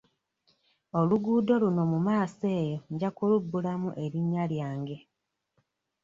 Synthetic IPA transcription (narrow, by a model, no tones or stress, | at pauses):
oluɡuːdo̞luno̞mumaːse̞ːjo̞ɟakulubːulamuʔe̞ɾiɲːaljaːŋɡe̞